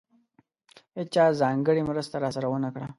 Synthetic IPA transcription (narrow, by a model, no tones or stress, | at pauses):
et͡ʃɑzɑŋɡəɽimɾəst̪aɾɑsaɾawənakɽa